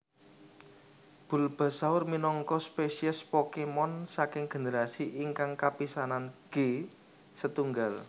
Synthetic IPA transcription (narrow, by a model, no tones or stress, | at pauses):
b̥ṳlb̥ä̤saʊrminɔŋkɔspesiɛspɔkemɔnsakɪŋɡ̥e̤nəɾasiʔiŋkaŋkapisananɡ̥e | sət̪uŋɡal